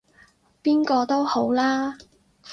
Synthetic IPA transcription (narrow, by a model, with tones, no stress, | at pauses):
piː˥nkɔː˧t̪o˥who˨˥wlaː˥